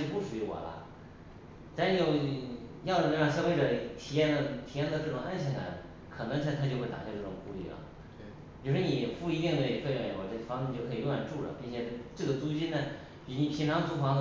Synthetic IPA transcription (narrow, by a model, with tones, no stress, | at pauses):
pu˥˩ʂu˨˩y˧˥wɔ̰˨˩lɐ̰˧ | t͡sa˥n̩n˨˩jo˥˩ʊjɑ˥˩ʊd̪ə˨˧na˥˧˩ɑ˥˩ŋɕ̬jɑ˥we˥˩ɪʈ͡ʂə˩t̪ʰi˨˩jɛ˥˩nd̪ə˧˩t̪ʰi˨˥jɛ˥˧nd̪ə˥˧ʈ͡ʂɤ˥˩ʈ͡ʂʊ˨˩ŋa˥nɕjɛ˧˩ŋa̰˨˧˥n | kʰɤ˨˩nɤ˧˥ŋɕʰt̪ʰa˥t͡ɕjo˥˧ʊxe˥˩ɪt̪a̰˨˩kʰa˧ʈ͡ʂɤ˥˩ʊ˨˩ŋxu˧˥˧ly̰˥˩lə̰˩ | pʲju˧˩ʂwɔ˥˩ni˨˩xu˥li˧˥jɛ˥˧nt̪we˥˩˧kʰɤ˥˩jjɛ˧˥xo˥˧˩ʈ͡ʂɤ˥˩fɑ˥ŋɛ˥˧t͡ɕo˥˩kʰɤ˧˥i˨˩lwa˥˧˩nʈ͡ʂu˥˩lə̰˩pi˥˩nt͡ɕʰjɛ˨˩ʈ͡ʂɤ˥˩ɡə˩t͡su˥t͡ɕi˥nnə˨ | pi˨˩˥ni˧˩pʰi˧˥ŋʈ͡ʂʰɑ˧˥ŋt͡su˥fɑ˧˥ŋx